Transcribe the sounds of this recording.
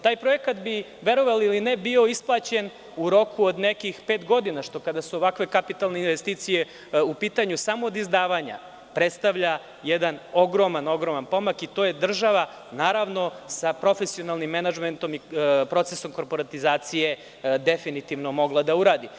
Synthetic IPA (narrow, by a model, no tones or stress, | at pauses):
t̪aːjpɾojekat̪bi | ʋe̞ɾoʋalilinɛbio̞isplˠaːt͡ɕen | uɾo̞kuod̪nekixpeːt̪ɡo̞d̪inaʃt̪o̞kad̪asuoʋakʋe̞kapit̪alˠne̞inʋest̪iːt̪sije̞ | upiːt̪aɲusamoːd̪izd̪aːʋaɲa̰ | pɾet̪st̪aʋʎa | jɛd̪anoɡɾomano̞ɡɾomanpo̞makit̪o̞ːjed̪r̩ʒaʋa | naːɾaʋno̞sapɾo̞fesio̞nalˠnimːenad͡ʒment̪o̞mipɾo̞t̪seso̞mko̞ɾpo̞ɾat̪izaːt̪sije̞ | d̪efinit̪iʋnomo̞ɡlˠad̪auɾaːd̪i